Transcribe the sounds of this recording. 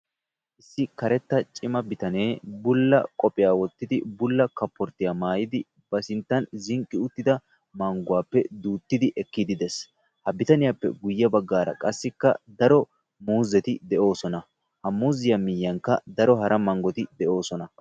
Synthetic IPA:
ʔɪsːɪkɐɾɛt̪ːɐt͡ʃʼɪmɐbɪt̪ɐneːbʊlːɐkʼɔpʼɪjaːwɔt̪ːɪd̪ɪbʊlːɐkɐpːɔɾt̪ːɪjamaːjɪd̪ɪ | b̥ɐsɪnt̪ːɐnzɪŋkʼːɪʊt̪ːɪd̪ɐ | mɐŋɡʊwaːpːɛd̪uːt̪ːɪd̪ɪʔɛkːɪd̪ɪd̪ɛs | hɐbɪt̪ɐnɪjapːɛ̰ɡʊjːɐbɐɡːaːɾɐ̰kʼɐsːɪkːɐ̰d̪ɐɾɔ | muːzɛt̪ɪd̪ɛʔo̞ːsɔnɐ | hɐmuːzɪjɐmɪjːɐŋkːɐ̰d̪ɐɾɔɦɐɾɐmɐŋɡɔt̪ɪd̪ɛʔo̞ːsɔnɐ

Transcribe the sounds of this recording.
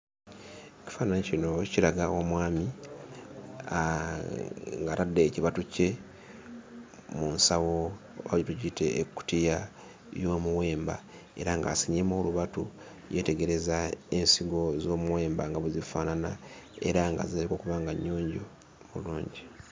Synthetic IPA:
eci̥faːnanecino̞cilaɡawamwaːmi | a | ŋɡaɾadːe̞ːciβatuce̞ | munsawo | βaitucite̞ːkːu̥tija | jo̞ːmuwe̞ːmba | e̞̰ɾaŋɡa̰ːsiɲimoːluβatu | je̞te̞ɡe̞ɾe̞zae̞nsiɡo̞zo̞ːmuwe̞ːmbaŋɡaβuzifaːnana | ḛɾaŋɡa̰ziaɾiko̞ːkuβaːŋɡaɲːo̞ːɲɟo | muluːɲɟi

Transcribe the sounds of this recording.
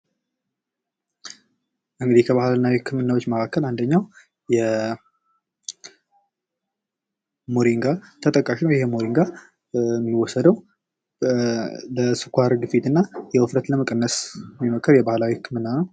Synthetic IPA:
ʔɨŋɡɨd̪ihkʰəβahlnːawikʰːɨmɨnːawot͡ʃːməkʰakːəland̪əɲːaw | jɛ | mo̞ɾiŋɡat̪ʰət̪ʼəkʼːaʃinəwjɪhemo̞ɾiŋɡa | mːiwːɔsəd̪əw | ləsɨkʷaɾɡɨfit̪ɨnːajɛwəfɾət̪ləməkʼənːəsmːiməkʰːəɾjɛbahlawihɨkʰːɨmɨnːanəw

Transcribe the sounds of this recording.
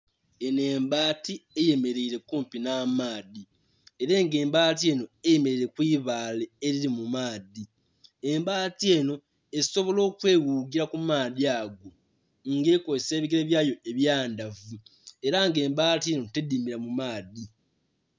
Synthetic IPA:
e̞ne̞ːmbaːtieje̞me̞ɾeiɾe̞kuːmpinamaːði | eɾeːŋɡe̞ːmbaːtie̞ːno̞ejeme̞ɾiɾe̞kwiːβaːle̞ːɾiɾimumaːði | embaːtie̞ːno̞ | eso̞βo̞lo̞ːkwe̞ːwuːɡiɾakumaːðiaːɡo̞ | ŋɡekoseːβiɡiɾeβjaːjo̞eβjaːndavue̞ɾaŋɡe̞ːmbaːtie̞no̞tedimiɾamumaːði

